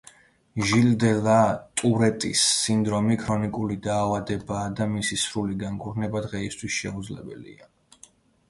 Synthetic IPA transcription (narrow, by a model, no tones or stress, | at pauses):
ʒild̪ɛlat̪ʼuɾɛt̪ʼḭsːind̪ɾɔmikʰɾɔnikʼulid̪aːvad̪ɛbaːd̪amisisɾuliɡaŋkʼuɾnɛbad̪ʁɛist̪ʰwisʃɛud̪zlɛ̰bɛ̰lḭa